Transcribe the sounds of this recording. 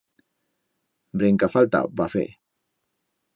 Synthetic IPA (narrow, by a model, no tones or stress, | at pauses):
bɾeŋkafalt̪a̰bafḛ